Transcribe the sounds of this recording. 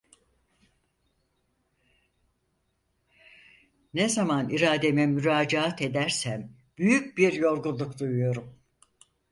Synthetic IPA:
nezamaniɾaːd̪emɛmyɾaːd͡ʒaat̪ʰe̞d̪æɾsæm | b̥yjyc̚biɾjo̞ɾɡulˠukd̪ujujo̞ɾum

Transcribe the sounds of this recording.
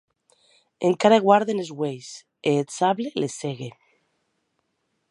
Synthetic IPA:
eŋkaɾaɣwaɾðenezɣwejs | eːsaβleleseɣe

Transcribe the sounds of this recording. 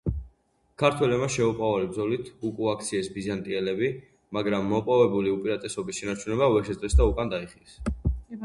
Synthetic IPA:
kʰaɾt̪ʰwɛlɛbmaʃɛupʼavalib̚dzɔlit̪ʰukʼuak̚ʰt̪sʰiɛsbizant̪ʼiɛlɛbi | maɡɾamːɔpʼɔvɛbuliupʼiɾat̪ʼɛsɔbisʃɛnaɾt͡ʃʰunɛbavɛɾʃɛɾɛsd̪aukʼand̪aiχilɛs

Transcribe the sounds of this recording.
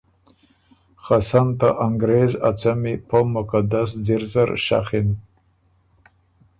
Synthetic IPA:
xasant̪aʔaŋɡɾezat͡samipəmʊkad̪asdɪɾzaɾʃa̰xɪn

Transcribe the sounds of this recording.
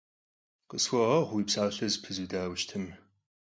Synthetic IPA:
qəswʷɔʁɐʁʷwiːpsaːɬɐzpʰɨzudaːwʃtʰɨm

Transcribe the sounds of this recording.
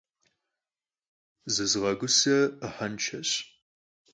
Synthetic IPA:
zɨzʁɐɡʷʊsɐəħɐnt͡ʃʰɐɕ

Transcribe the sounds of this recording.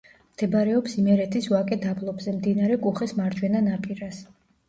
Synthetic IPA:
md̪̥ɛbɾɛɔpsimɛɾɛt̪ʰisvakʼɛd̪ablˠɔbzɛmd̪inaɾɛkʼuχɛsmaɾd͡ʒwɛnanapʼiɾas

